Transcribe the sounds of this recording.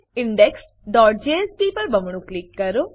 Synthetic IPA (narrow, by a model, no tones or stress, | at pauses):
iɳɖeks | ɖɔːʈ̚d͡ʒeːespiːpɐɾbɐmuɳuklikːɐɾu